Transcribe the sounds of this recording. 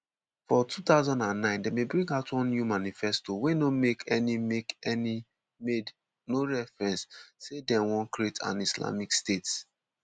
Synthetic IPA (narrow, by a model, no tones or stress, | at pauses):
fɔtʰutaʊzɔ̃ndãnːãɪ̃ndemebɹĩŋɡaʊtwɔ̃nnjumanifɛstowenomekʰɛnimekɛni | med | noɹɛfɹɛ̃nsːedɛwɔ̃nkɹietʰã̰nisla̰mikstets